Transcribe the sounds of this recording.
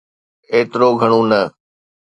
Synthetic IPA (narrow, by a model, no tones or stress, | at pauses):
eːt̪ɾoɡʱɐɽ̃ũːnɐ